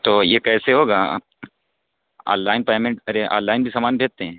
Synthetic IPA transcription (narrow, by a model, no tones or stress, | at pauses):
t̪oːjekɛːseɦoːɡa̰ː | a̰ːlːaːɪnpaːmẽɳʈɐɾeʔa̰ːlːaːɪnbʱisaːmaːnbʱeːt̪̚t̪ːeɦɛ̃ː